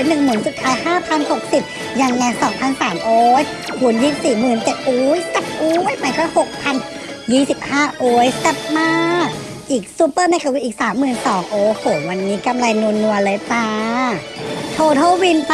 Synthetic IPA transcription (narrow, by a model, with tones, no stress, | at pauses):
nɯ˨˩ŋmɯː˩˦nsu˨˩t̪̚pʰaː˦˥jhaː˥˩pʰa˧nho˨˩k̚si˨˩p̚ | ja˧ŋːa˧jsɔː˩˦ŋpʰa˧˥˩nsaː˨˩˦mʔoː˧˦j | kʰu˨˩˦njiː˧˩siː˨˩mɯː˨˩nt͡ɕe˨˩t̪̚ʔoː˧˦jt̪a˨˩p̚ʔoː˧˦jma˧˦jkʰaː˧˥˩ho˨˩k̚pʰa˧n | jiː˥˩si˨˩p̚haː˥˩ʔoː˧˦jt̪a˧˩p̚maː˥˩ | ʔiː˨˩k̚su˧˥pːɤː˥˩na˧jkʰa˧˩wi˦˧˥ʔiː˨˩k̚saː˩˦mːɯː˨˩nsɔː˩˦ŋʔoː˧˩hoː˨˩wa˧nːiː˦˥ka˧mla˧jnu˧nːu˧əle˧˦paː˧ | t̪ʰoː˧t̪ʰoː˥˩wi˧np